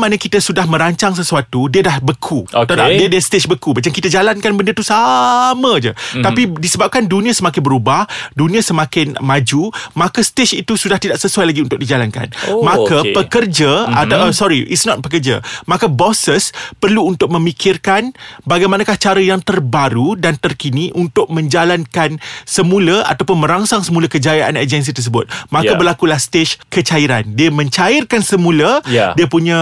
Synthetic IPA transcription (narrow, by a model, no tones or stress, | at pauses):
manakit̪əsudahmə̃ɾaɲt͡ʃaŋs̬əsuat̪udiədahbəkʰut̪aadiədəst̪et͡ʃbəkumat͡ʃamkit̪əd͡ʒalankanbəndət̪usamə̃d͡ʒə̰t̪apidisəbap̚kandunĩãsəmakɪnbəɾubahdunĩasəmakɪnmãd͡ʒumakəst̪et͡ʃit̪usudaht̪idaʔsəsuajlaɡiunt̪ʊk̚did͡ʒalanka̰nmakəpəkərd͡ʒaat̪aəsɔɾiʔitsnɔt̪̚pək̬ərd͡ʒə̰mãkabɔsəspərluːnt̪ʊk̚mə̃mikʰɪrkanbaɡajmanakaht͡ʃaɾəjaŋt̪ərbaɾudant̪ərkiniʔunt̪ʊk̚mə̃ɲd͡ʒalankansəmũləa̰t̪apʊnmə̃ɾaŋsaŋsəmulakəd͡ʒajaʔa̰nad͡ʒɛns̬it̪ərs̬əbʊt̪̚mãjkəbərlakulahst̪et͡ʃkət͡ʃaiɾandiəmə̃ɲt͡ʃaɪrkansəmũlədiəpuɲã